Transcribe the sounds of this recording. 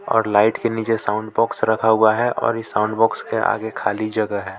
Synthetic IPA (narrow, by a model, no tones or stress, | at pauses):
ɔ̰ːɾlaːɪʈkeniːt͡ʃesaʊ̃ɳɖbɔːksɾəkʰaɦʊaɦɛʔɔ̰ːɾjesaʊ̃ɳɖbɔːkskeʔa̰ːɡekʰaːlid͡ʒɐɡəɦɛː